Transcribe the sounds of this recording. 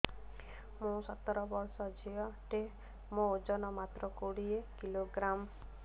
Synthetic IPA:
mũsɔt̪ːɔɾɔbɔɾsɔd͡ʒʱiɔʈe | mõod͡ʒɔnɔmat̪ɾɔkoɽiekiloɡɾam

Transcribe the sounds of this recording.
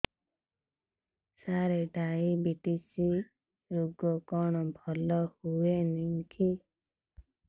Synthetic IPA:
saɾeɖaibiʈisi | ɾuɡɔkɔɽ̃ɔbʱɔlɔhueniŋkʰi

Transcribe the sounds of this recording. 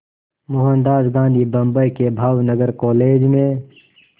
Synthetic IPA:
mʊɦə̃nd̪aːzɡãːnd̪ʱibɐ̃mbəjkebʱaːwnəɡəɾkoːleːd͡ʒmẽ

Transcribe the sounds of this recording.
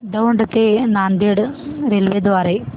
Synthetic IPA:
d̪ɐʋuɳɖɐt̪ːenaːnd̪eɽɨɾelʋed̪ʋaːɾe

